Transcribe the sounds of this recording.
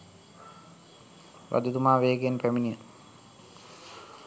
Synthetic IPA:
ʋʔa̰d̪ud̪umaːʋeːɡenpæminijə

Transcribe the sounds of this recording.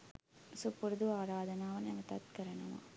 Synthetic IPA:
supːuɾd̪uaːɾaːd̪ɐnaːʋɐnɐʋɐt̪ɐ̰t̪̚kɐɾɐɳɐʋã̰ː

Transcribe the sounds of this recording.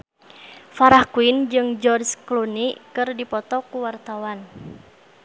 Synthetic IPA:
faɾahkuind͡ʒɨŋd͡ʒɔrsklunikɨrdipɔt̪ɔkuwart̪awan

